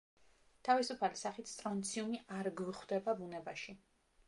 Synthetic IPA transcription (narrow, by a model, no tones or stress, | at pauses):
t̪ʰavisupʰalisaχit̪ʰst̪ʼɾɔnt̪sʰiumiaɾɡviχwd̪ɛbabunɛbaʃi